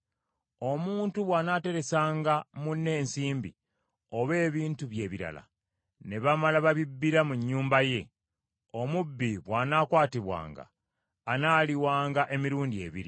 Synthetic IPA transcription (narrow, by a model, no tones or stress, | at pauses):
o̞muːntuβwaːnaːte̞ɾe̞saːŋɡamunːe̞ːnsiːmbḭ | o̞βe̞ːβiːntuβje̞ːβiɾa̰la̰ | ne̞βamalaβaβibːiɾamuɲːuːmbaje̞ | o̞mubːiβwaːnaːkwaːtiβwa̰ːŋɡa̰ː | naːliwaːŋɡaʔe̞miɾuːndie̞ːβḭɾi